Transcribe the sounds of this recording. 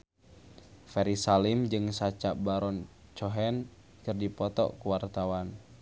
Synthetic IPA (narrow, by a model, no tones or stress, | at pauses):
fɛɾisalimd͡ʒɨŋsat͡ʃaʔbaɾɔnt͡ʃɔɦɛn | kɨrdipɔt̪ɔ̰kuwart̪awan